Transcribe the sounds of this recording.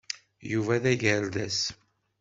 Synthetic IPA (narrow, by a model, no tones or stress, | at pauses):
juvæðæʝəɾðæs